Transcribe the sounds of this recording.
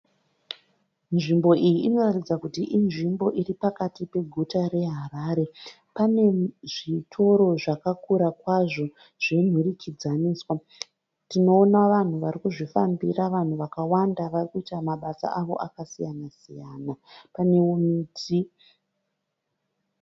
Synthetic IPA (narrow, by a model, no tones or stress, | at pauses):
nʐimbo̞ʔijiʔːno̞ratid͡zakutiʔinʐimbo̞ʔiripakatipe̞ɡʱutaɾe̞ɦaraːɾe̞ | pane̞ʐitʰo̞ɾo̞ʐakakuɾakwaʐo̞ | ʐ̥en̤urikʰid͡zaniːswa | tino̞ːnaʋan̤uʋarikuʐifa̰mbiraʋan̤uʋakawandaʋarikuitamaɓasa̰ʔaʋo̞̰ʔakasijanasijaːnapane̞umiːtʰi